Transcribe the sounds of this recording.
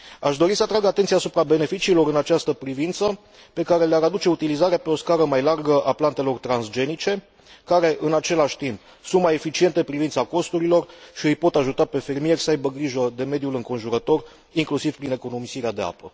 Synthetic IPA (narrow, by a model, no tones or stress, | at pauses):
aʃd̪o̞ɾisəat̪ɾaɡat̪ent̪siaːsupɾabe̞ne̞fit͡ʃiːlo̞ɾɨnat͡ʃast̪əpɾivint̪sə | pe̞kaɾe̞leaɾad̪ut͡ʃe̞ut̪ilizaɾeape̞o̞skaɾəmajlarɡəʔaplant̪e̞lo̞rt̪ɾansd͡ʒe̞nit͡ʃe̞ | kaɾe̞ʔɨnat͡ʃe̞laʃʲt̪imp | sunt̪maje̞fit͡ʃie̞nt̪e̞pɾivint̪sako̞st̪uɾilo̞rʃiɨjpo̞t̪aʒut̪ape̞fe̞rmije̞rʲsəajbəɡɾiʒəd̪e̞me̞d̪julɨŋko̞nʒuɾət̪o̞r | iŋklusiv̥pɾine̞ko̞no̞misiɾead̪e̞a̰pə